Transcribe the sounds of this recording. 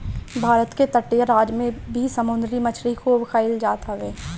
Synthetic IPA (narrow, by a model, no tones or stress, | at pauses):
bʱaːɾət̪ket̪ɐʈːijəɾaːd͡ʒmẽbʱisɐmʊ̃nd̪ɾimɐt͡ʃʰɾikuːbxʰaːild͡ʒaːt̪ɦɐʋeː